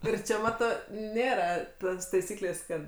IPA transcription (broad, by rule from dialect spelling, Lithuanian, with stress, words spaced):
ˈɪr t͡ʃʲɛ ˈmɑːtoː ˈnʲeːrɐ ˈtoːs tɐɪˈsʲiːklʲeːsʲ ˈkɐt